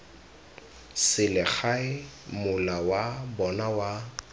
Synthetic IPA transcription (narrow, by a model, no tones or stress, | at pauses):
sɪlɪk͡xaɪmʊlawabɔnawa